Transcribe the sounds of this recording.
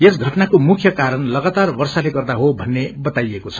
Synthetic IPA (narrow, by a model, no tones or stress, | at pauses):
esɡʱʌʈnakomukʰjʌkaɾʌnlʌɡat̪arbʌrsaleɡʌrd̪aɦobʱʌnːebʌt̪ajekot͡sʰʌ